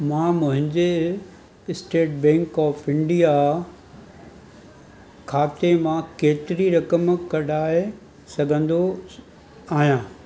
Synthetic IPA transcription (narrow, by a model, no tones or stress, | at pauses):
mãːmʊ̃ɦɪ̃ɲd͡ʑe | ɪsʈeːʈ̚bɛ̃ːŋkɔːfɪ̃ɳɖija | kʰaːt̪emãkeːt̪ɪɾiɾɐkəmkɐɽaːe | sɐɡʱə̃nd̪o | aːɦijãː